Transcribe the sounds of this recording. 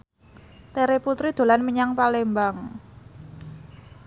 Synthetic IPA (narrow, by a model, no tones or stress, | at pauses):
t̪eɾeput̪ɾid̪̥o̤lanməɲaŋpalembaŋ